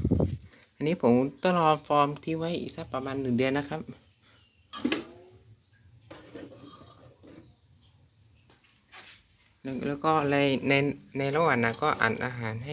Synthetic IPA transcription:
ʔa˧nːiː˦˥pʰo˩˦mt̪a˧˩lɔː˧mfɔː˧mt̪ʰiː˧˥˩wa˦˧˥jʔḭː˨˩k̚sa˦˧˥pːa˧maː˧nːɯ˨˩ŋdɯ˧ənːa˦˥˩kʰa˦˥p̚ | lɛː˦˥˩wkɔː˧˥˩la˧˩jna˧jna˧jla˧˩wa˨˩nːa˧˩kɔː˥˩ʔa̰ː˨˩nʔaː˧ɦaː˩˦nɦa˥˩

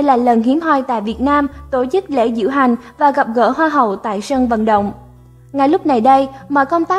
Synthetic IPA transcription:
ə˧jlaː˨˩lə˨˩nɦi˨˦ənɦaː˧jt̪a̰ː˧˨jvi˨˩ət̚naː˧mt̪o˧˩t͡ɕɨ˦˥k̚lḛ˧˥zɨ̰˧˥wɦa˨˩jŋ̟vaː˨˩ɣa˨˩p̚ɣə̰ː˧˥ɦwaː˧ɦə˨˩wt̪a̰ː˧˨jsə˧ŋvə̰˧˨nɗə̰˧˨wŋ͡m | ŋa˨˩jlʊ˦˥p̚na˨˩jɗə˧jmɔ̰ː˧˨jkə˧wŋ͡mt̪aː˦˥

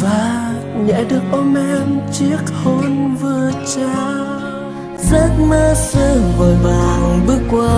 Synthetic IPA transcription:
vaː˨˩ | ɲɛ̰˧˥ɗɨ˨˩ək̚ʔo˧˩mʔɛ˧mt͡ɕi˦˥ək̚ho˧nvɨ˨˩ət͡ɕɛ˧˦ | zə˦˥t̚məː˧sɨ˧˩ŋvəː˨˩jvaː˨˩ŋɓɨ˦˥əkːwaː˧

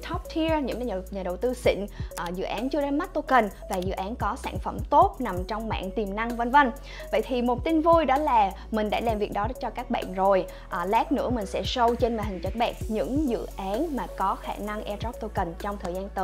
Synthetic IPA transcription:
t̪ʰɔ˦˥p̚t̪ʰi˧əɲɨ̰˧˥ŋ˧˨ɲaː˨˩ə˨˩wt̪ɨ˧sḭ˧˨ŋ̟ʔəː˨˩zɨ̰˧˨ʔaː˨˦nt͡ɕɨ˧əɗa˧ma˦˥t̚t̪o˧kə˨˩nvaː˨˩zɨ̰˧˨ʔaː˨˦nkɔ˨˦sa̰ː˧˩nfə̰˧˩mt̪o˦˥t̚na˨˩mt͡ɕɔ˧wŋ͡mma̰ː˧˨nt̪i˨˩mna˧ŋvə˧nvə˧n | və̰˧˨jt̪ʰi˨˩mo˨˩t̚t̪i˧nvu˧jɗɔ˨˦laː˨˩ | mï̟˨˩ɗa̰ː˧˥laː˨˩mvi˨˩ək̚ɗɔ˨˦t͡ɕɔ˧kaː˦˥k̚ɓa̰ː˧˨nzo˨˩j | ʔːlɛː˦˥k̚nɨ̰˧˥əmï˨˩ŋ̟sɛ̰˧˥sə˧wt͡ɕe˧nmaː˨˩hï˨˩ŋ̟t͡ɕə˨˦˥t̚ɓɛ˨˩k̚ɲɨ̰˧˥ŋzɨ̰˧˨ʔaː˨˦nmaː˨˩kɔ˨˦xa̰ː˧˩na˧ŋʔɛ˧tɔ˦˥p̚t̪o˧kə˨˩nt͡ɕɔ˧wŋ͡mt̪ʰəː˨˩jzaː˧nt̪əː˨˦

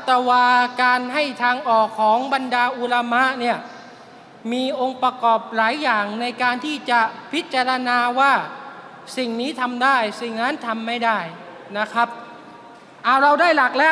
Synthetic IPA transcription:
t̪ɛː˧waː˧kaː˧nɦa˥˩jt̪ʰaː˧ŋʔɔː˨˩kʰːɔː˩˦ŋba˧ndaː˧ʔu˨˧la˧ma˦˥ni˥˩ɐ | miː˧ʔo˧ŋpɾa˧kɔː˨˩p̚laː˨˩˦jːaː˨˩ŋna˧jkaː˧nt̪ʰiː˥˩t͡ɕa˨˩pʰi˦˥t̪̚t͡ɕa˧ɾa˧naː˧waː˥˩ | si˨˩ŋniː˦˥t̪ʰa˧mdaː˥˩jsi˨˩ŋna˦˥nt̪ʰa˧mːa˥˩jda˥˩j | na˦˥kʰɾa˦˥p̚ | ʔaː˨˩wɾa˧wdaː˥˩jla˨˩k̚lɛː˦˥

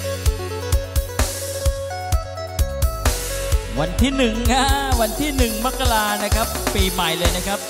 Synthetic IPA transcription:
wa˧nt̪ʰiː˥˩nɯ˨˩ŋka˦˥wa˧nt̪ʰiː˥˩nɯ˨˩ŋma˦˥kːa˧laː˧na˦˥kʰɾa˦˥pːiː˧ma˨˩jlɤː˧jna˦˥kʰa˦˥p̚

